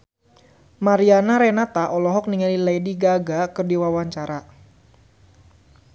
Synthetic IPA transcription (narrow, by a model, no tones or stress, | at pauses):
maɾianaɾɛnat̪aʔɔlɔɦɔk̚niŋalilejdiɡaɡakɨrdiwawaɲt͡ʃaɾa